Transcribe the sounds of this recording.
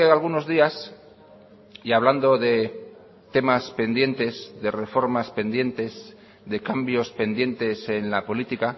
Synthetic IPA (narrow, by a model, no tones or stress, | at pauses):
eɣalɣ̞uno̞zðias | iaβland̪o̞ðe̞ | t̪e̞maspe̞nd̪je̞nt̪e̞zðe̞re̞fo̞ɾmaspe̞nd̪je̞nt̪e̞z | ðe̞kambjo̞spe̞nd̪je̞nt̪e̞se̞nlapo̞lit̪ika